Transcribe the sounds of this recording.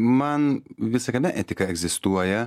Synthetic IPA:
mɐnʋʲɪsɐkʲɐnʲɛʔɛt̪ʲɪkɐɛɡzʲɪst̪uɔjɛ

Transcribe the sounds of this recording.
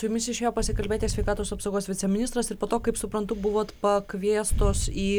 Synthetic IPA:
sʊjumʲɪsɪʃʲeːjoːpɐsʲɪkɐlʲbʲeːt̪ʲesʲʋʲɛɪkɑːt̪oːsɐpsɐʊɡoːsʋʲɪt̪sʲɛmʲɪnʲɪst̪ɾɐsɪɾpoːt̪oːkɐɪpsʊpɾɐnt̪ʊbʊʋoːt̪pɐkʋʲiɛst̪oːsiː

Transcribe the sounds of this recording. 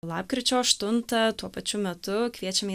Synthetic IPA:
lˠɑːpkɾʲɪt͡ʃʲoːɐʃt̪ʊnt̪ɐt̪uɔpɐt͡ʃʲʊmʲɛt̪ʊkʋʲiɛt͡ʃʲɛmʲ

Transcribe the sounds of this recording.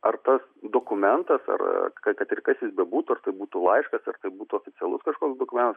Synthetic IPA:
ɐrt̪ɐsd̪oːkʊmʲɛnt̪ɐsɐ̰r̰kɐkɐt̪ɪrkɐsjɪsbʲɛbuːt̪ʊɐrt̪ɐɪbuːt̪uːlˠɐɪʃkɐsɐrt̪ɐɪbuːt̪ʊoːfʲɪt͡ssʲɛlˠʊ̰skɐʃkoːkʲsd̪oːkʊmʲɛ̃nt̪ɐs

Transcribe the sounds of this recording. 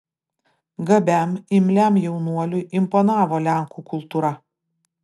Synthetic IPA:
ɡɐbʲæmɪmʲlʲæˑmjɛʊnuɔlʲʊʔɪmpɔnɑːʋoːlʲæˑŋkukʊlˠt̪uɾɐ

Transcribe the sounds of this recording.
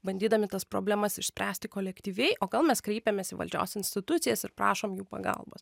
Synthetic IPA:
bɐnʲd̪ʲiːd̪ɐmʲɪt̪ɐspɾo̰ːbʲlʲɛmɐsɪʃsʲpʲɾʲæːsʲt̪ʲɪkoːlʲɛkt̪ʲiːʋʲɛɪʔoːɡɐlˠmʲɛskɾʲɛɪpʲɛmʲeːsiʋɐ̰lʲd͡ʒʲo̰ːsɪnʲsʲt̪ʲɪt̪ʊt̪sʲɪjɛsɪɾpɾɑ̰ːʃoːmjuːpɐ̰ɡɐ̰lˠbo̰s

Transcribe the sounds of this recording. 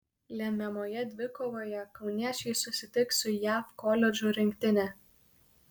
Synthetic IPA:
lʲɛmʲɛmoːjɛd̪ʲʋʲɪkoːʋoːjɛkɒʊnʲiæt͡ʃʲɛɪsʊsʲɪt̪ʲɪksʊjæːfkɔlʲɛd͡ʒʲʊɾʲɪŋʲkʲt̪ʲɪnʲɛ

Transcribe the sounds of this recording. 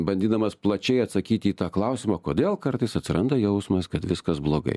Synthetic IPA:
bɐnʲd̪ʲiːd̪ɐmɐsplˠɐt͡ʃʲɛɪɐt̪sɐkʲiːt̪ʲɪiːt̪ɑːklˠɐʊsʲɪmɑːkoːd̪ʲeːlˠkɐrt̪ɐɪsɐt̪ʲsʲɪɾɐnd̪ɐjɛʊsmɐskɐt̪ʋʲɪskɐsblˠoːɡɐ̰ɪ

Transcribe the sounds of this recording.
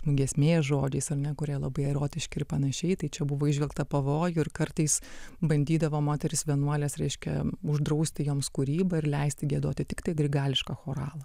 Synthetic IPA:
nʊɡʲiɛsʲmʲeːsʒoːd͡ʒʲɛɪsɐrnʲɛkʊɾʲiɛlˠɐbɐɪɛɾoːt̪ʲɪʃʲkʲɪɪɾpɐnɐʃʲɛɪt̪ɐɪt͡ʃʲɛbʊʋoːɪʒʲʋʲilˠkt̪ɐpɐʋoːjʊɪɾkɐrt̪ɐɪsbɐnʲdʲiːd̪ɐʋoːmoːt̪ʲɛɾʲɪsʋʲiɛnuɔlʲɛsɾʲɛɪʃʲkʲɛ̰ʊʒd̪ɾɐʊsʲt̪ʲɪjoːmskʊɾʲiːbɐɪɾlʲɛɪsʲt̪ʲɪɡʲiɛd̪oːt̪ʲɪt̪ʲɪkt̪ɐɪɡɾʲɪɡɑːlʲɪʃkɑxoːɾɑːlˠɐ

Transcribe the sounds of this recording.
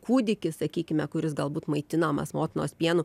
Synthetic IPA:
kuːd̪ʲɪkʲɪssɐkʲiːkʲɪmʲɛkʊɾʲɪsɡɐlˠbuːt̪mɐɪt̪ʲɪnɐmɐ̰smoːt̪ʲɪnoːsʲpʲiɛnʊ

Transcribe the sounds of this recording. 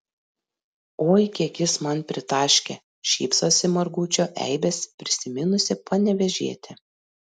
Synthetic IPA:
oːɪkʲiɛkʲɪsmɐnpʲɾʲɪt̪ɑːʃʲkʲe | ʃʲḭːpsoːsʲɪmɐɾɡuːt͡ʃʲoːʔɛ̰ɪbʲɛspʲɾʲɪsʲɪmʲɪnʊsʲɪpɐnʲɛʋʲɛʒʲiɛt̪ʲɪ

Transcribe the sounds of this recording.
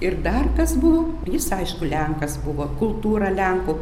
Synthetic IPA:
ɪrd̪ɐrkɐsbʊʋoː | jɪsɐɪʃkʊlʲɛŋkɐsbʊʋoːkʊlˠt̪uːɾɐlʲɛŋkʊː

